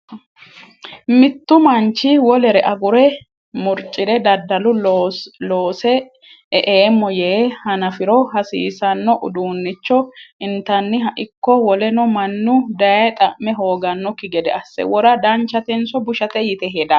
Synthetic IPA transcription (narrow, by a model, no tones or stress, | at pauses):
mɪt̪ːʊmɐnt͡ʃːɪwɔlɛɾɛʔɐɡʊɾɛ | mʊɾt͡ʃʼːɪd̪ɛd̪ɐd̪ːɐlʊ | loːsɛ | ɛʔeːmːɔjeːhɐnɐfɪɾɔhɐsḭːsɐnːɔʔʊd̪uːnːɪt͡ʃːɔɪnt̪ɐnːɪɦɐʔɪkːɔwɔlɛnɔmɐnːʊd̪ɐjɐt̪ʼɐʔmɛɦoːɡɐnːɔkːɪɡɛd̪ɛɐsːɛ̰wɔɾɐd̪ɐnt͡ʃːɐt̪ɛnsɔbʊʃɐt̪ɛjɪt̪ɛɦɛd̪ɐ